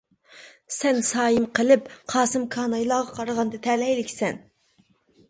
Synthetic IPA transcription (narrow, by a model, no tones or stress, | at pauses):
sɛnsɑːjɨmqʰəlɪpqʰɑːsɨmkʰɑːnɑjlˠɑːʁɑqʰɑɾəʁɑnd̪ɨt̪ʰɛlɛjlɪkʲsɛn